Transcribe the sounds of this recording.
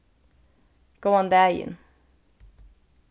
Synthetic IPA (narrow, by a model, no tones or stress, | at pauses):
ɡ̥oʊə̃nd̪æjɪ̰̃n